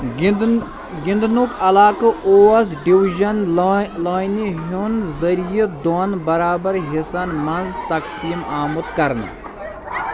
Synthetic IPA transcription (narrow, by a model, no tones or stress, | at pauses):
ɡind̪nukʰɐlaːkɐʔoːɐs̬ɖiʋiʒɐnlaːjniɦunzɐɾijɐd̪onbɐɾaːbɐɾɦisɐnmɐnzt̪ɐksiːmaːmut̪kɐɾn